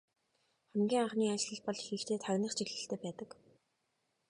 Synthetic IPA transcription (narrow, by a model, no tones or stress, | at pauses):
χæmɡʲiːŋaχniːat͡ɕ̆ɮə̆ɮpɔɮxiːkt̪ʰeːt̪ʰaɣʲnə̆χt͡ɕʰiɣɮɘ̆ɬt̪ʰeːpæːt̪ə̆k